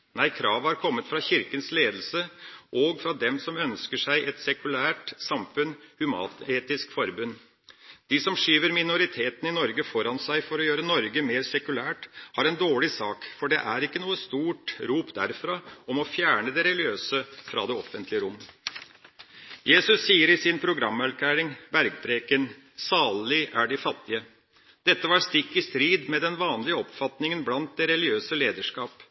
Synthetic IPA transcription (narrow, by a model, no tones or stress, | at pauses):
næɪkʰɾɑːʋhɑɾkʰɔmːət̪fɾɑçɪɾkənsleːd̪əl̩səʔɔɡfɾɑd̪ɛmsɔmœnskəʂæɪʔɛt̪sɛkʉlæːʈsɑmfʉnhʉmɑ̰ːt̪eːt̪ɪskfɔɾbʉnː | d̪̥isɔmʂyːʋəɾmɪnʊɾɪt̪ʰeːt̪ən̩ɪnɔɾɡəfɔɾɑnsæɪfɔɾɔjøːɾənɔɾɡəmeːɾsɛkʉlæːʈhɑɾɛnd̪oːɭɪsɑːkfɔɖɛ̰ʔæɾɪkːənuːəst̪uːʈɾuːpd̪æ̰ɾfɾɑɔmɔfjæːɳəd̪ɛɾɛlɪøːsəfɾɑ̰d̪ɛɔfənt̪ʰlɪəɾʊmː | jeːsʉsːiːəɾɪsɪnpʰɾʊɡɾɑmːɛlkʰæːɾɪŋbæɾɡ̚bɾeːkən | sɑːllɪʔæɖɪfɑt̪ːɪə | d̪̥ɛt̪ːəʋɑːɾst̪ɪkːɪst̪ɾiːd̪mɛd̪ɛnʋɑːnlɪəɔpfɑt̪nɪŋənblɑnt̪̚d̪ɛɾɛlɪøːsəleːd̪əʂkɑːp